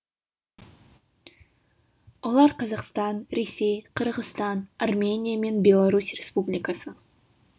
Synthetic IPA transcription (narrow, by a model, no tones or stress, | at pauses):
wolˠɑɾqʰɑzɑqst̪ɑnɾe̞sʲe̞jqʰəɾʁəst̪ɑnarmʲe̞nʲijame̞nbʲe̞lˠaɾusrʲespublʲijkasə